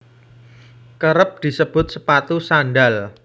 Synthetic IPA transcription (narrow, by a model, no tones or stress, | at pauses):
kəɾəp̚d̪̥i̤səb̥ʊ̤t̪̚səpat̪usanɖal